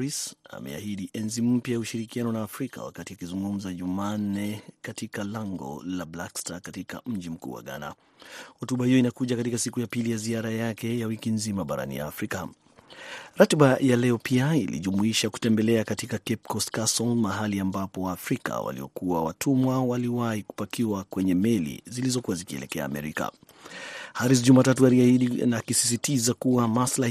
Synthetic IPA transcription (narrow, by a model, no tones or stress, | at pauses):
ɾisa̰mɛ̰a̰hiɗiʔɛnzim̩pjajauʃiɾikianɔnaːfɾika̰wa̰katiakizuŋɡum̩zaʄuman̩nɛkatikalaŋɡɔ̰lablakstakatika̰m̩ʄim̩kṵwa̰ɠa̰na̰ | hɔtuɓahijɔinakuʄakatikasikujapilijaziaɾajakɛjawikinzimaɓaɾa̰nḭja̰afɾika | ɾatɓajalɛɔpʰiailḭʄumuiʃaku̥tɛmbɛlɛakatikakɛp̚kɔskasɔlmaɦaliambapɔwaːfɾika̰wa̰lḭɔ̰kuawa̰tʰumwawaliwahiku̥pakiwakwɛɲɛmɛlḭzilizɔkuwazikiɛ̰lɛ̰kɛa̰ːmɛ̰ɾika̰ | haɾis̬ʄumatat̬ualiahiɗinakisi̥s̬itizakuwamasla